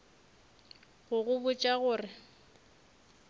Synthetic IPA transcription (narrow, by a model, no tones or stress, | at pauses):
ɣʊɣʊbʊt͡ʃʼaɣʊːrɪ